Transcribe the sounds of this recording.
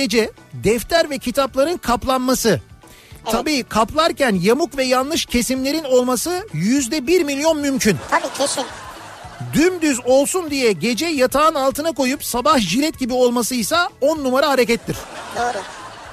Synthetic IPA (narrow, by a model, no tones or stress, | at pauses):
ed͡ʒɛ | d̪ɛft̪læɾvɛcʰit̪ʰaplˠaɾɯnkʰaplˠanmasɯ | t̪ʰabiːkʰaplˠaɾcænjamukvɛjanˠːɯʃcʰe̞simlʲe̞ɾino̞lˠmasɯjyzd̪ɛbiɾmilʲjo̞nmymcʰynʰabiːt͡ʃʰosyn | d̪ymd̪yzo̞lˠsund̪ijɛɟe̞d͡ʒɛjat̪ʰaːnalˠt̪ɯnako̞jupsabahʒilʲɛt̪̚ɟibio̞lˠmasɯjsao̞nːumaɾaɦaɾecɛt̪ʰːiɾ̥d̪oɾ